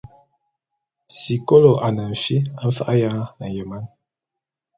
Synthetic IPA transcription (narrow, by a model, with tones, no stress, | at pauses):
si˨ko˦lo˨ʔa˨na˨ɱ̩˨fi˦a˨ɱ̩˦fa̰˦ʔa˦ja˦˨n̩˨jə˨ma˦n